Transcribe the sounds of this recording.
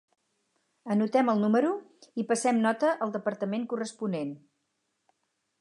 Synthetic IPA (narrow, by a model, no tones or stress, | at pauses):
ənut̪ɛməlˠnuməɾuipəsɛmnɔt̪əʔəlˠd̪əpəɾt̪əmeŋkurəspunen